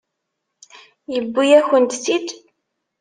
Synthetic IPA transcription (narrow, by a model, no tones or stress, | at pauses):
jəbːijæçənt̪sid̪